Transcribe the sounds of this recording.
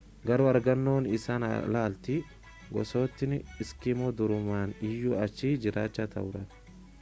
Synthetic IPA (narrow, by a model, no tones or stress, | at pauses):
ɡɐɾʊɐɾɡɐnːo̞ːnɪsaːn̰laːlt̪i | ɡɔ̰so̞ːt̪ːɪnɪskɪmoːd̪ʊɾʊmaːnɪjːuːɐt͡ʃːiːd͡ʒɪɾaːt͡ʃːɐt̪ʰɐ̰ʔʊɾɐ̥